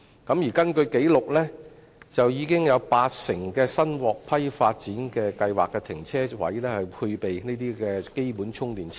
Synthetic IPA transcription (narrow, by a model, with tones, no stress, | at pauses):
kɐ˨˥mjiː˨˩kɐ˥nkɵ˧ɥke˨˥jlʊ˨k̚lɛː˥ | t͡sɐ˨wjiː˨˧kɪ˥ŋjɐ˨˧wpaː˧t̚sɪ˨˩ŋkɛː˧sɐ˥nwɔː˨k̚pʰɐ˥jfaː˧t̚t͡siː˨˥nkɛː˧kɐ˧jwa̰ː˨˩kːɛ˧t̪ʰɪ˨˩ŋt͡sʰɛː˥wɐ̰˨˥jlɛː˥hɐ˨jpʰu˧jpe˨jne˥t̪iː˥kɛː˧ke˥jpuː˨˥nt͡sʰʊ˥ŋt̪iː˨˩nʰ